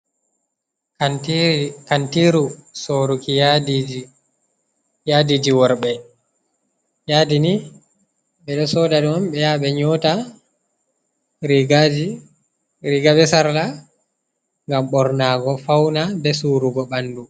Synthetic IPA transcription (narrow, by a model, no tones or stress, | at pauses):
kantiɾusoːɾukijadid͡ʒi | jadid͡ʒiwɔɾɓɛ | jadini | ɓɛɗɔsɔdaɗɔmɓɛjaɓɛɲɔta | ɾiɡ | ɾiɡabɛsaɾla | ŋɡamɓɔɾnaːɡɔfawnabɛsuːɾuɡɔɓandu